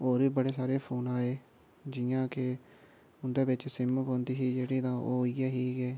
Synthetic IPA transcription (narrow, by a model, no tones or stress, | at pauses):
oːɾʋiːbəɽeːsaːɾeːpʰoːnaːeː | d͡ʒɪːãːkɪ | ʊnd̪eːbɪt͡ʃsɪmpõːnd̪iːɦiːd͡ʒeːɽiːt̪ãːʔo̰ːiːɛːɦiːɡɛː